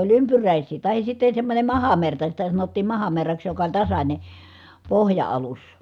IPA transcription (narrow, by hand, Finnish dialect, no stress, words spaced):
olʲ ympyræˑisˑiː tɑhis sitːe semːonʲe mɑhɑmertɑ sitæ sɑnotːiːm mɑhɑmerːɑks jokɑ olʲ tɑsɑnʲe pohjɑɑlus